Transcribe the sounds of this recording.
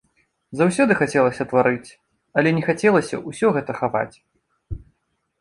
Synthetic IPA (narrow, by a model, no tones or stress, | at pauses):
zawsʲɔd̪ɨxat͡sʲɛlˠɐsʲɐt̪vaɾɨt͡sʲ | ɐlʲɛnʲɛxat͡sʲɛlˠɐsʲɐ̰ʔusʲɔɣɛt̪ɐxava̰t͡sʲ